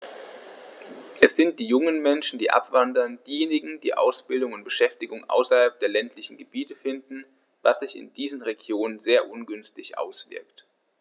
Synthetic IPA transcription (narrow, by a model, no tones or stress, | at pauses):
ʔɛsz̥ɪnt̚d̥iːjʊŋənmɛnʃn̩diːʔa̰pv̥andɐnd̥iːjeːnɪɡŋ̩d̥ḭːʔa̰ʊsb̥ɪldʊŋʊnt̚b̥əʃɛftɪɡʊŋʔa̰ʊsɐhalp̚d̥eːɐlɛntʰlɪçn̩ɡəbiːtəfɪndn̩ | v̥asz̥ɪçɪ̰nd̥iːzənʁeɡjoːnənzeːɐʔʊnɡʏnstɪçʔa̰ʊsv̥ɪ̰ɐkt